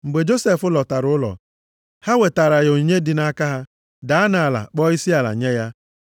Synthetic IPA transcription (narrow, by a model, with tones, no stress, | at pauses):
ŋ͡m̩˨ɡ͡be˨d͡ʒo˦se˨fʊ˦lɔ˨ta˨ɾʊ˦ʊ˦lɔ̰˨ | ha˦we˨ta˨ɾa˨jo˨ɲe˦dɪ˨na˦ka˦ɦa˦ | da˨a˦na˨a˨la̰˨k͡pɔ˦i˦si˦a˨la̰˨ɲe˦ja˦